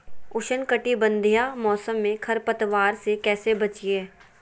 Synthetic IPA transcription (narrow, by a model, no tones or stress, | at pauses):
ʊʃənkəʈibə̃nd̪ʱijamɔːsəmːẽkʰɐɾpət̪ʋaːɾsekɛːsebɐt͡ʃieː